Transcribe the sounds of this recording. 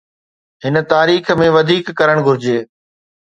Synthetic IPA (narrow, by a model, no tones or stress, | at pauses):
ɦɪnət̪aːɾiːxmẽʋɐd̪ʱiːkːɐɾəɽ̃ɡʱʊɾɪd͡ʑeː